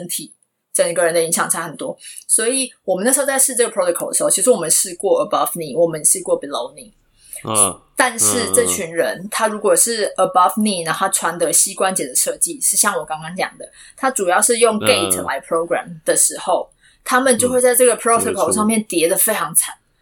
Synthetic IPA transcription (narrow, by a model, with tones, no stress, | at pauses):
ə˦nt̪ʰi˨˩ | ʈ͡ʂə˨˩ŋɡə˦ɻə˧˦nd̪ə˨i˧˥ŋɕjɑ˨˩ŋʈ͡ʂʰa˥xə˨˩nt̪wɔ˦˥swɔ˧˥i˨˩wɔ˨˩mə˨na˥˩ʂ̩˧˥t͡sa˥˧ɪʂɻ̩˥˧ʈ͡ʂɤ˥ɡəpʰɹo˥t̪ʰo˧kʰo˨˩ʊd̪ə˩˧o˥˩t͡ɕʰi˧˥ʂɻ̩˧wɔ˨˩mə˨nʂɻ̩˥˧kwɔ˥˩ə˨˩bɑ˥fni˥˩wɔ˨˩mə˦njɛ˨˩ʂɻ̩˥˧kwɔ˥˩bi˨lo˧˦ʊni˥˩ | t̪a˥˧nʂɻ̩˥˩ʈ͡ʂɤ˥˨t͡ɕʰy˧˥nɻə˧˦nt̪ʰa˥ɻu˧˥kwɔ˨˩ʂɻ̩˥˩ə˧bɑ˥˧fni˥˩na˧˥o˥a˥˩ʈ͡ʂʰwa˧˦nd̪ə˧˦ɕi˦˥kwa˦nt͡ɕjɛ˨˩d̪ə˨ʂɤ˥˧t͡ɕi˥˨ʂɻ̩˥˧ɕjɑ˥˩ŋwɔ˨˩kɑ˥ŋkɑ˥ŋt͡ɕjɑ̰˨˩ŋd̪ə˦ | t̪ʰa˥ʈ͡ʂu˨˩jɑ˥˧ʊʂɻ̩˥˧jo˥˨˧ŋke˥˩ɪt̪ʰla̰˧˥ɪpʰɹo˦ʊɡɹæ̰˨md̪̥ə˨ʂɻ̩˧˥xo˥˨ʊ | t̪ʰa˥mə˨nt͡ɕjo˥˧ʊxwe˥˧ɪt͡sa˥˧ɪʈ͡ʂɤ˥˩ɡə˨˩pʰɹo˦˥t̪ʰo˨˩kʰo˨˩ʊʂɑ˥˧ŋmjɛ˥˨˩nt̪jɛ˧˥d̪ə˨fe˥ɪʈ͡ʂʰɑ˧˥ŋt͡sʰa˨˩˦n